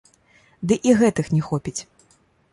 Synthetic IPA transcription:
d̪ɨʔiɣɛt̪ɨxnʲɛxɔpʲit͡sʲ

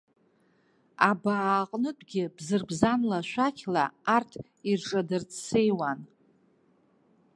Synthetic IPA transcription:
abaːqʼnɨtʷʼɡʲɪbzɨrbzanlaʃʷakʲʰla̰artʰ | irʈ͡ʂʼadɨrt͡ssejwan

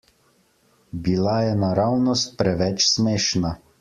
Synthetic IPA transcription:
bilajɛnaɾawnɔst̪̚pɾɛʋɛt͡ʃsmeːʃna

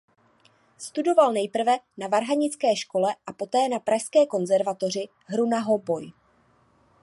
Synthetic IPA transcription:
st̪udo̞valnɛjpr̩vɛnavaɾɦaɲɪt͡skɛːʃko̞lɛʔapo̞t̪ɛːnapɾaʃskɛːko̞nzɛɾvat̪o̞r̝ɪ | ɦɾunaɦo̞bo̞j

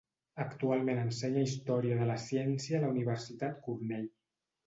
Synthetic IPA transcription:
əkt̪ualˠmẽnənsɛɲəist̪ɔɾiəðələsjɛnsjələuniβəɾsit̪at̪kuɾnɛʎ

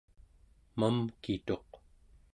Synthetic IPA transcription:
mamkit̪o̞q

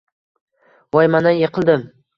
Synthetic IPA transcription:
vɒjmanajeqʰɨlˠd̪ɪm

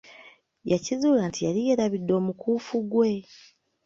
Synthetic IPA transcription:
jacizuːlantijalijeɾaβidːo̞ːmukuːfuɡwe̞

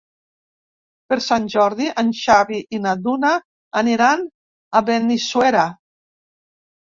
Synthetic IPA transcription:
peɾsanʲʒɔɾðiʔanʃaβiʔinadunaː | niɾan | aβenisweɾa

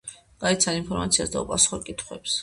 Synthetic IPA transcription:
ɡ̥aɛt̪sʰaninpʰɔɾmat̪sʰiasd̪a̰ṵpʼasu̥χɔɾkʼit̪ʰχwɛps

